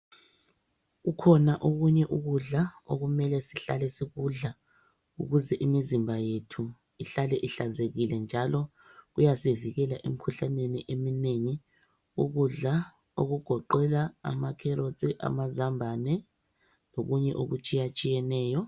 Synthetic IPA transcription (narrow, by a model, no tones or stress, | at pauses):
ɣukʰɔnaʔoɣuɲɛʔuɣuɮao̰ɣumɛlɛsiɬalɛsiɣuɮa | ṵɣuzɛʔimizimbʱajetʰu | iɬalɛʔiɬand͡zʱeɣilɛnd͡ʒʱalɔ | ɣujasiviɣɛlaʔḛm̩kʰuɬaneniʔemineŋi | uɣuɮa | oɣuɡ̥ʱɔǃɛla̰ːmakʰɛɾot͡sʼiʔa̰mazambʱanɛ | loɣuɲɛʔo̰ɣut͡ʃʼijat͡ʃʼijɛnɛːjɔ